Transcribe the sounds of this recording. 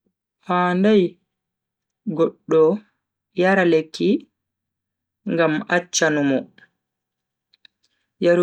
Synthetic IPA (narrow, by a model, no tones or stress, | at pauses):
haːndaj | ɡɔɗːɔ | jaɾalekʰːi | ŋɡamat͡ʃːanumɔ | jaɾ